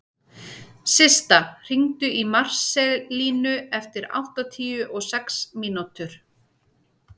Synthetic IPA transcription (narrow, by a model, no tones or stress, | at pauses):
sɪst̪ar̥iŋt̪ʏimar̥sɛliːnʏɛft̪ɪɾa̰wht̪at̪ʰiːʏʔɔɣsɛksmiːnut̪ʏɾ̥